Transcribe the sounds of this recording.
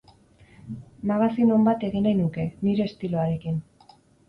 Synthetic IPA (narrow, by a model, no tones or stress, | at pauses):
maɣ̞asino̞mbat̪e̞ɣinajnuke̞niɾe̞ːst̪iloaɾe̞kin